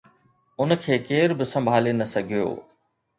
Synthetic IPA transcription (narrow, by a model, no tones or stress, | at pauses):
ʊnkʰeːkeːɾbɪsɐ̃mbʱaːlenɐsɐɡʱɪjo̰ː